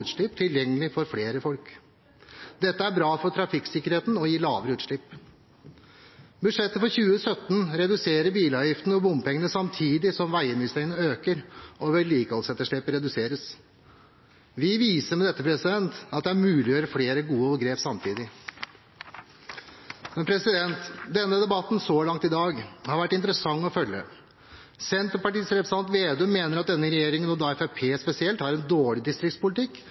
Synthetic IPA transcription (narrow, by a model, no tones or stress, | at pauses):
ʉːt̪ʂɭɪpt̪ʰɪljɛŋːəlɪfɔɾfɽeːɾəfɔlk | d̪ɛt̪ːəæɾbɾɑːfɔt̪ʰɾɑfɪksɪkːəɾheːt̪n̩ɔjiːlɑːʋəɾəʉːt̪ʂɭɪpː | bʉd̪ʂɛt̪ːəfɔɾçʉːəsœt̪ːnɾɛd̪ʉseːɾəɾbiːlɑːʋjɪft̪nəɔbʊmpʰɛŋːənəsɑmt̪ʰiːd̪ɪsɔmʋæɪəmɪst̪ɾɪənəøːkəɾʔɔʋɛliːkəɔlsɛt̪ːəʂɭɪpəɾɛd̪ʉseːɾəs | ʋɪʋiːsəɾmɛd̪ɛt̪ːəpʰɾɛsɪd̪ɛnt̪ɑt̪̚d̪ɛæɾmʉːlɪjøːɾəfleːɾəɡuːəɡɾeːpsɑmt̪ʰiːd̪ɪ | mɛnpʰɾɛsɪd̪ɛnt̪d̪ɛnːəd̪ɛbɑt̪ːnsɔlɑŋt̪ɪd̪ɑːɡhɑɾʋæʈːɪnt̪ɾəsɑŋːɔfœlːə̰ | sɛnt̪ɔpɑʈiːsɾɛpɾəsɑnt̪ʋeːd̪ʉmeːnəɾɑt̪̚d̪ɛnːəɾɛjeːɾɪŋənɔd̪ɑɛfæpʰeːspɛsɪɛlt̪hɑːɾɛnd̪oːɭɪd̪ɪst̪ɾɪkt̪spʊlɪt̪ɪkː